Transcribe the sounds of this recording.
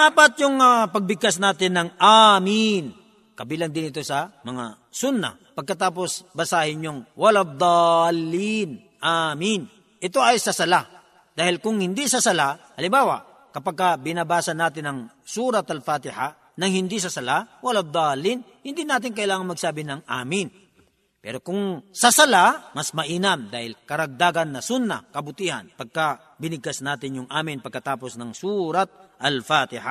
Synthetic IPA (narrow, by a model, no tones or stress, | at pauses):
aːpɐt̪̚jʊŋapɐɡ̚bɪɡ̚kasnaːt̪ɪnːɐŋamin | kɐbiːlɐŋd̪ɪnɪt̪o̞sɐmɐŋa̰ | sʊnːɐ̰ | pɐɡ̚kɐt̪aːp̬o̞sbɐsaːhɪɲjoŋwɐlad̪ˤɑlːin | ʔamin | ʔɪt̪o̞ʔɐjsɐsɐla | d̪aːhɪlkʊŋhɪnd̪isɐsɐlahɐlɪmbaːwa̰ | kɐpaɡ̚kabɪnɐbaːsɐnːaːt̪ɪnɐŋ | suːɾɐt̪ɐlfaːt̪ɪha | nɐŋhɪnd̪is̬ɐsɐlawɐlad̪ˤɑːlɪn | hɪnd̪inaːt̪̬ɪŋk̬ɐʔɪlaːŋɐnmɐɡsaːbɪnɐŋʔa̰ːmɪn | pɛ̰ːɾokʊŋsɐsɐlamɐsmɐʔiːnɐmd̪aːhɪlkɐɾɐɡ̚d̪aːɡɐnːɐsʊnːa̰kɐbʊt̪iːha̰npɐɡ̚ka | bɪnɪɡ̚kasnaːt̪ɪnjʊŋʔaːmɪnpɐɡ̚kɐt̪aːposnɐŋsuɾat̪̚ʔɐlfaːt̪ɪha̰